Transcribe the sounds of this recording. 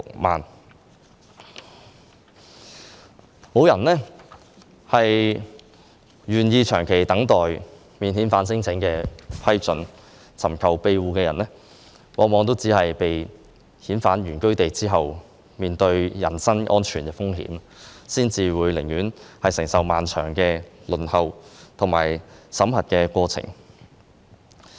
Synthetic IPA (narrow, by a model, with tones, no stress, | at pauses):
ʊ˨k̚ma̰ː˨n | mo˨˧wjɐ˨˩nlɛː˥ | hɐ˨j | jyː˨˩njiː˧t͡ʃʰœː˨˩ŋkʰe˨˩jt̪ɐ˨˥ŋt̪ɔː˨j | miː˨nhiː˨˥nfaː˨˥nsɪ˥ŋt͡sʰɪ˨˥ŋkɛː˧pʰɐ˥jt͡sɵ˨˧˥n | t͡sʰɐ˨˩mkʰɐ˨wpe˧jwuː˨kɛː˧jɐ˨˩nlɛ˥ | wʔɔ̰ː˨˥mɔː˨˧ŋt̪o˥wt͡siː˨˥hɐ˨jpe˨j | hiː˨˥nfaː˨˥njyː˨˩nkɵ˥ɥt̪e˨jt͡siː˥ɦɐ˨w | miː˨nt̪ɵ˧ɥjɐ˨˩nsɐ˥nʔɔː˥nt͡ʃʰyː˨˩nkɛː˧fʊ˥ŋɦḭː˨˥m | siː˥nt͡siː˨wuː˨˧jlɪ˨˩ŋjyː˨˥nhɐ˨jsɪ˨˩ŋsɐ˨wmaː˨nt͡ʃʰœ̰ː˨˩ŋkɛː˧lɵ˨nhɐ˨˧wt̪ʰʊ˨˩ŋma̰ː˨˩jsɐ˨˥mɦɐ˨t̚kɛː˧kwɔː˧t͡sʰɪ̰˨˩ŋ